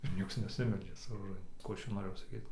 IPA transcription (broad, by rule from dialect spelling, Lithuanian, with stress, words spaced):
ɪr ˈnʲiɛks nʲɛˈsʲɪmʲɛlʲd͡ʒʲɛ sʊ roːˈʒɐn ˈkuː ˈɐʃ ˈt͡ʃʲɛ noːˈrʲeːjɛʊ sɐˈkʲiːt